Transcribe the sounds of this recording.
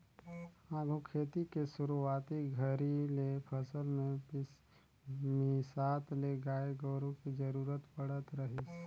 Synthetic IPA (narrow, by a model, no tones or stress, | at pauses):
hãɡʱukʰeːt̪ikesʊɾuaːt̪iɡʱəɾilepʰəsəlmẽ | mɪsaːt̪leɡaːeɡɔːɾõkid͡ʒəɾuːɾət̪pəɽ̤ət̪ɾəɦɪs